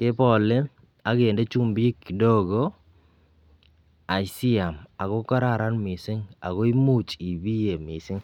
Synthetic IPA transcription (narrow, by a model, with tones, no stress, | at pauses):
kɪ˦pɔ˨lɪ˦ | a˦ɡe˨nde˦t͡ʃu˦mbi˦kːi˨do˦ɡo˦ | a˨jsi˦a˨ma˨ɣɔ˦kɔ˦ɾa˦˨ɾa˦nmɪ˨sɪ˦ŋa̰˨ɣɔ˦i˦mu˦t͡ʃi˨bi˦je˨mɪ˨sɪ˦ŋ